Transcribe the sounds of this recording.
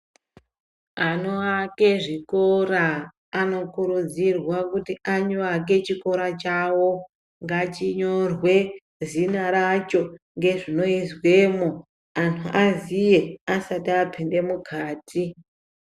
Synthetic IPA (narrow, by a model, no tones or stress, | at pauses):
anoake̞ʐikoraː | no̞kuɾud͡zirwakutiaɲoak̬e̞t͡ʃiko̞ɾat͡ʃawo̞ | ŋɡat͡ʃiɲo̞rwe̞ | zinaɾat͡ʃo̞ | ŋɡe̞ʐino̞izwe̞ːmo | antʰuʔazije̞asatiapʰinde̞mukʰaːtʰi